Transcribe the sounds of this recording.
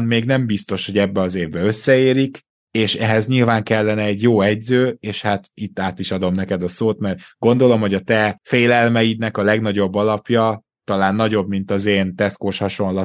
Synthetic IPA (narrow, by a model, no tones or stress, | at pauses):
nmeːɡnɛmbist̪o̞ʃho̞ɟɛbːɛɒzeːvbɛø̞sːɛeːɾik | eːʃɛɦɛzɲilvaːŋkɛlːɛnɛːɟjoːɛɟzøːeːʃhat̪it̪ːaːt̪iʃɒd̪o̞mnɛkɛd̪ɒsoːt̪mɛrɡo̞nd̪o̞lo̞mho̞ɟɒt̪ɛfeːlɛlmɛjid̪nɛkɒlɛɡn̪ɒɟo̞bːɒlɒpjɒ | t̪ɒlaːnːɒɟo̞bmint̪ɒzeːnt̪ɛskoːʃhɒʃo̞nlɒ